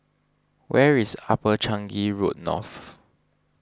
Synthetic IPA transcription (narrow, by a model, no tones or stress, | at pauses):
wɛɹisapət͡ʃãŋɡiɹot̚nɔ̰θ